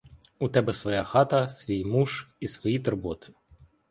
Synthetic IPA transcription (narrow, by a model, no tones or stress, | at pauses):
ut̪ɛbɛsʋɔjaxɑt̪ɐsʋʲijmuʒisʋɔjit̪ɔrbɔt̪ɪ̥